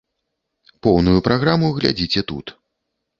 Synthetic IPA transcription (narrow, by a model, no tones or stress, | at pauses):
pɔwnujupɾaɣɾamuɣlʲa̰d͡zʲit͡sʲɛt̪ṵt̪